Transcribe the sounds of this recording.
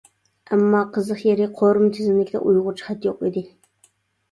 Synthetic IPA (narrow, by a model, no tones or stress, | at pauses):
ʔæmːɑːqʰəzɨχjeɾɪqʰoɾɨmt̪ʰɪzɪmlɪkʲd̪ɛ̰ʔujʁʊt͡ʃʰχæt̪joqid̪ɪ